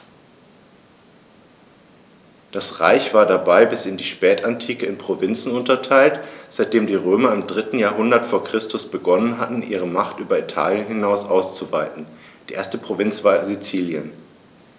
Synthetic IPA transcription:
d̥asʁa̰ɪçv̥aːɐdabaɪbɪsɪndiːʃpɛːtʰantʰiːkəɪnpʁ̥ovɪnt͡sn̩ʊntɐtʰaɪltz̥aɪt̚d̥eːmdiːʁøːmɐɪmdʁɪtn̩jaːɐɦʊndɐtfoːɐkʁ̥ɪstʊsb̥əɡɔnənɦatn̩ʔḭːʁ̞əmaχtʔyːbɐitʰa̰ːljənhɪnaʊsʔaʊst͡suvaɪtn̩ | d̥iːʔeːɐstəpʁ̥ovɪnt͡sv̥aːɐzit͡siːljən

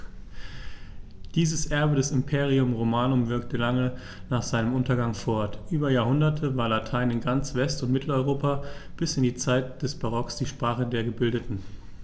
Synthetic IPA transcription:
d̥iːzəsʔɛɐbədɛsɪmpʰeːʁ̞iʊmʁomaːnʊmvɪɐk̚təlaŋə | naːχz̥aɪnəmʔʊntɐɡaŋfɔɐtʔyːbɐjaːɐhʊndɐtʰəvaːɐlatʰaɪnɪnɡant͡sv̥ɛstʊntmɪtʰl̩ɔʏʁoːpab̥ɪsɪndiːt͡saɪt̚d̥ɛsb̥aʁ̞ɔksd̥iːʃpʁ̥aːχədeːɐɡəbɪldətn̩

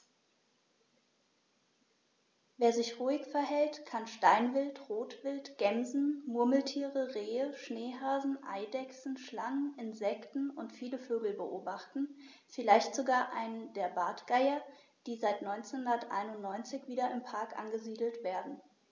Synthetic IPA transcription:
veːɐzɪçʁuːɪçfɛɐɦɛltkʰanʃtaɪnvɪltʁoːtv̥ɪltɡ̥ɛmzn̩mʊɐml̩tʰiːʁəʁeːəʃneːɦaːzn̩ʔa̰ɪdɛksn̩ʃlaŋənɪnzɛktn̩ʊntfiːləføːɡl̩bəʔoːbaχtn̩ | fɪlaɪçtz̥oɡaːɐʔaɪnəndeːɐbaːtɡ̥aɪɐ | d̥iːzaɪtnɔʏnt͡senhʊndɐtʔa̰ɪnʊnnːɔʏnt͡sɪçv̥iːdɐɪmpʰaɐkʔa̰nɡəziːdl̩tv̥eːɐdn̩

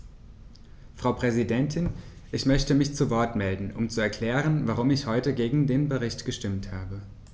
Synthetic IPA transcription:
fʁ̥aʊpʁ̥ɛzidɛntʰɪn | ʔɪçmœçtəmɪçt͡suvɔɐtmɛldn̩ʔʊmt͡suɛɐkʰl̥ɛːʁ̞ənvaʁʊmɪçhɔʏtəɡeːɡŋ̩deːnbəʁ̞ɪçtɡ̥əʃtɪmthaːbə

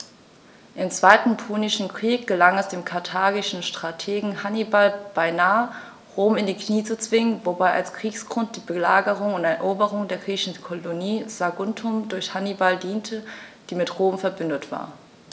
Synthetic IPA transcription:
ʔɪmt͡sv̥aɪtn̩pʰuːnɪʃn̩kʁ̥iːk̚ɡ̥əlaŋɛsd̥eːmkʰaɐtʰaːɡɪʃn̩ʃtʁ̥atʰeːɡŋ̩hanibalb̥aɪnaːə | ʁoːmɪndiːkniːt͡sut͡sv̥ɪŋənvobaɪʔa̰lskʁ̥iːksɡ̥ʁʊnt̚d̥iːbəlaːɡəʁʊŋʊntɛɐʔoːbəʁʊŋdeːɐɡʁiːçn̩kʰɔloniːz̥aɡʊntʰʊmdʊɐçhanibaldiːntʰəd̥iːmɪtʁoːmfɛɐbʏndətv̥a̰ːɐ

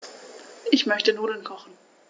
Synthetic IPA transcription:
ʔɪçmœçtənoːdl̩nkʰɔχn̩

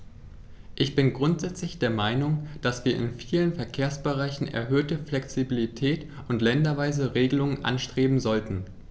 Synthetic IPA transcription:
ʔɪçb̥ɪnɡʁʊntz̥ɛt͡slɪçd̥eːɐmaɪnʊŋd̥asv̥iːɐɪ̰nfiːlənfɛɐkʰeːɐsb̥əʁaɪçn̩ʔɛ̰ɐɦøːtəflɛksibilitʰɛːt | ʊntlɛndɐvaɪzəʁeːɡəlʊŋənʔa̰nʃtʁ̥eːbm̩zɔltn̩

